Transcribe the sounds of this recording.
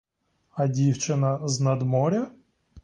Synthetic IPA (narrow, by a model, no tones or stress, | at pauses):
ɐdʲiwt͡ʃɪnɐznɐd̪mɔɾʲɐ